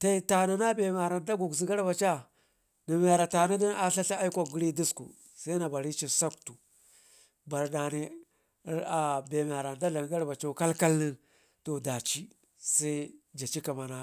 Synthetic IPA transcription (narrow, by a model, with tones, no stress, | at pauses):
ta˦i˨ta˨na˨na˦be˨m˨a˨ɾa˨nda˦ɡu˨ɡzi˨˦ɡa˦ɾba˨t͡ʃa˦ | na˨m˦a˨ɾa˨ta˨na˦di˦na˦ɬa˦ɬa˦a˦i˦kʷa˨ɡu˨˦ɾi˦di˦skṵ˨ | sa˦i˦na˨ba˨ɾi˦t͡ʃi˨sa˦ktu˨ | ba˨ɾda˨ni˨˦ | ɾa˨be˨m˨a˨ɾa˨nda˦da˨ŋ˦ɡa˦ɾba˨t͡ʃa˦ka˦lka˦lnə˦ | to˨da˨t͡ʃi˦ | sa˦i˦d͡ʒa˨t͡ʃi˦ka˨ma˨na˨